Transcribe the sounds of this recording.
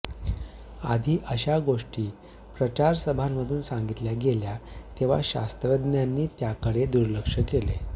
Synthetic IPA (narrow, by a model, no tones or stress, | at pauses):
ad̪ʱiːʔəɕaɡoʂʈiː | pɾət͡ɕaɾsəbʱamːəd̪ʱuːnsaŋɡit̪ljaɡeljat̪eʋ̤a̰ɕa̰st̪ɾəd̪njanːiːt̪jakəɽed̪uɾləkʂəkele